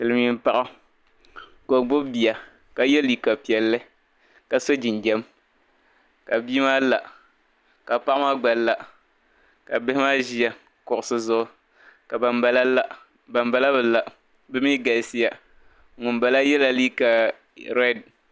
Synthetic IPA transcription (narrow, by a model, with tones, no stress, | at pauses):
pɨ˨lɨ˨˦mi˦m̩˦pa˦ʔa˦ | ko˨ɡ͡bʊ˦bi˨a˨ | ka˨jɛ˦liː˦ka˨pi˨ɛ˨lːɨ˦ | ka˨so˦d͡ʒi˨nd͡ʒɛ˦m | ka˨bi˦maː˦la˨ | ka˨pa˦ʔmaː˦ɡ͡ba˨lla˨ | ka˨bɪ˦hɪ˦maː˦ʒi˦ja˦ | kʊ˨ʔʊ˨sɨ˦zʊ˦ʔʊ˦ | ka˨ba˨m˦ba˦la˦la˦ | ba˨m˦ba˦la˦bɨ˨la˨ | bɨ˦mi˦ɡa˨lsi˦ja˨ | ŋʊ˨nba˨la˦jɛ˦la˨liː˦ka˨ | ɾɛ˦˨d̚